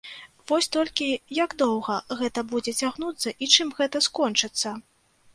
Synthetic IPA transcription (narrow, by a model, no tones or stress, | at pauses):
vɔsʲt̪ɔlʲkʲijaɡd̪ɔwɣɐɣɛt̪ɐbud͡zʲɛt͡sʲaɣnut̪sːɐʔit͡ʂɨmɣɛt̪ɐskɔnt͡ʂɨt̪sːɐ